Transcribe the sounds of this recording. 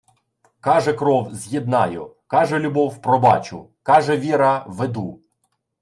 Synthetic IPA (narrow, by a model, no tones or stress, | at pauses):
kɑʒɛkɾɔwzʲjid̪nɑjʊ̰ | kɑʒɛlʲʊbɔwpɾɔbɑt͡ʃʊ̰kɑʒɛʋʲiɾɐʋed̪u